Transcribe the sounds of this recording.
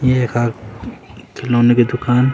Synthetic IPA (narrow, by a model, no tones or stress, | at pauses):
jeɦekʰaː | kʰɪloːneked̪ʊkaːn